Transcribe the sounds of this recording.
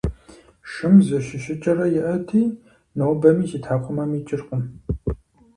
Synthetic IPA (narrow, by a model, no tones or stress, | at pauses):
ʃɨmzɨʃɪʃɪt͡ʃʼɐrɐjɪʔɐtʰiː | nowbɐmiːziːtʰħaːqʷʼʊmɐmiːt͡ʃʼɪrqʼən